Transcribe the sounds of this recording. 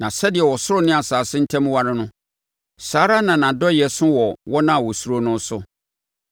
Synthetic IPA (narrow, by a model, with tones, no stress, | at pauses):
nã˨sɛ˦dɪ˨ɛ˨wɔ˨sʊ˦ɾʊ˦nɪ̃˦a˨saː˨sɪ˦n̩˦tʰɛ̃˦m˦wa˦ɾɪ̃˦nʊ̃˦ | saː˨˦ɾa˦nã˨nã˨dɔ˦jɛ˨sʊ̃˦wɔ˨wɔ˦nã˦˨wɔ˨su˦ɾo˦nʊ̃˦n˦sʊ˦